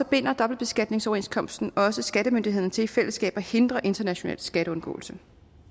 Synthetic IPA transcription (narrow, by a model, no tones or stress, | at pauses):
ɒ̽b̥e̝n̰ɐd̥ɒ̽b̥l̩d̚b̥e̝sɡ̥æd̥ne̝ŋsɒʊɐe̝nskʰɒ̽msd̥n̩ɒ̽səsɡ̥æɾəmønd̥ihe̝ð̰ˠnət͡sʰe̝lifel̰əsɡ̥ɛ̰ːb̥æhe̝nd̥ʁɐʔe̝nd̥ɐnæɕo̝nɛ̰ːlsɡ̥æɾ̥əɔ̽nɡ̥ɔ̰̽ːl̩sə